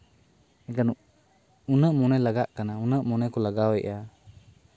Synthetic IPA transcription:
ɛkan | unəʔmɔnɛlaɡaʔkanaunəʔmɔnɛkɔlaɡawɛʔa

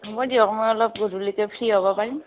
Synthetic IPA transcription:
mɔjdiɔkmɔjɔlɔp̚ɡudulikɛpʰɹiɦobɔpaɹim

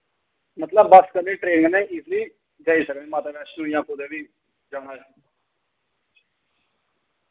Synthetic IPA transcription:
mət̪ləbːəskənẽːʈɾẽːnẽːɪsliː | d͡ʒaːiːsəknẽːmãːt̪eːʋɛːt͡ʃnũːjãːkod̪eːʋiː | d͡ʒaːɽaːd͡ʒaː

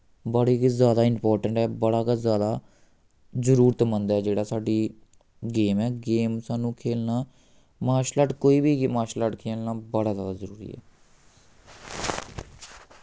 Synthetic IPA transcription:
bəɽiːɡzjaːd̪aːɪmpɔːɾʈəɳʈɛːbəɽaːɡazjaːd̪aː | zəɾuːɾt̪mənd̪ɛːd͡ʒeːɽaːsaːɖiː | ɡeːmɛːɡeːmsaːnũːkʰeːlnaː | maːʃlaːʈkoːiːbiːmaːʃlaʈkʰeːlnaːbəɽaːzjaːd̪aːzəɾuːɾḭːɛ̰ː

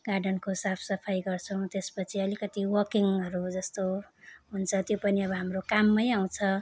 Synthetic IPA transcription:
ɡ̥arɖʌnkosapʰsʌpʰajɡʌrt͡sʰʌw̃t̪espʌt͡sʰiʌlikʌt̪iwʌkiŋʌɾud͡zʌst̪oɦunt͡sʰʌt̪jopʌniʌbʌɦamrokamːʌjaw̃t͡sʰʌ

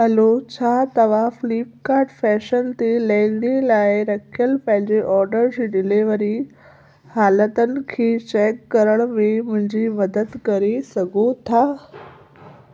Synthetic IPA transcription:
ɐlot͡ɕʰaːt̪ɐʋ̤ãfliːp̚kaːɾɖfɛːʃənt̪elɐ̃ɪnd̪elaːɪɾɐkʰijəlpɐ̃ɦɪ̃ɲd͡ʑeʔɔːɾɖəɾd͡ʑeɖɪleʋəɾi | haːlət̪ənɪ̆kʰeːt͡ɕɛːkːɐɾəɽ̃mẽmʊ̃ɦɪ̃ɲd͡ʑimɐd̪əd̪kɐɾesɐɡʱot̪ʰaː

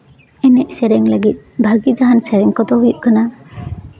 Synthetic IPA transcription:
ɛnɛʔsɛɾɛŋləɡit̪̚bʱaɡid͡ʒaɦansɛɾɛŋkɔd̪ɔɦujuʔkana

